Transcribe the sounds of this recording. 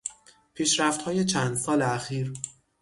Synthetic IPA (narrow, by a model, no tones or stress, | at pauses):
pʰiːʃɾæft̪hɒːjet͡ʃʰænd̪sɒːleæxiːɾ